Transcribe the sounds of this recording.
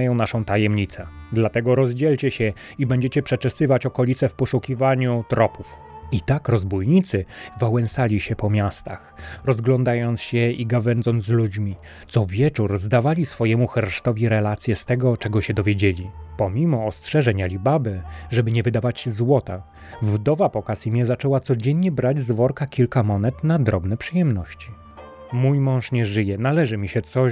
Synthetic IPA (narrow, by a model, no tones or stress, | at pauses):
jɔ̃w̃naʂɔ̃w̃t̪ajɛmɲit̪sɛd̪lat̪ɛɡɔɾɔzd͡ʑɛlt͡ɕɛɕɛ | ibɛɲd͡ʑet͡ɕɛpʂɛt͡ʂɛsɘvat͡ɕɔkɔlʲit̪sɛfpɔʂukʲivaɲut̪ɾɔpuf | it̪akɾɔzbujɲit̪sɘvawɛnsalʲiɕɛpɔmʲjast̪axɾɔzɡlɔnd̪ajɔnt̪sɕɛiɡavɛnzɔ̃nzlud͡ʑmʲi | t̪sɔvʲjɛt͡ʂuɾzd̪avalʲisfɔjɛmuxɛɾʂt̪ɔvʲiɾɛlat̪sʲjɛst̪ɛɡɔt͡ʂɛɡɔɕɛd̪ɔvʲjed͡ʑelʲipɔmʲimɔːstʂɛʐɛɲalʲibabɘʐɛbɘɲɛvɘd̪avat͡ɕzwɔt̪a | vd̪ɔvapɔkasimʲjɛzat͡ʂɛwat̪sɔd͡ʑɛɲɲɛbɾad͡ʑzvɔɾkakʲilkamɔnɛt̪nad̪ɾɔbnɛpʂɘjɛmnɔɕt͡ɕi | mujmɔ̃w̃ʂɲɛʐɘjɛnalɛʐɘmʲiɕɛt̪sɔ